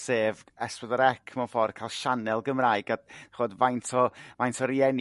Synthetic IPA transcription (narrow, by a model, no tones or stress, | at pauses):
seːvɛspɔdɔɾɛkʰmɔfɔr̥kʰajlˠʃanɛlˠɡəmraːɨɡaχoːdvajntʰɔvajntʰɔɾiɛn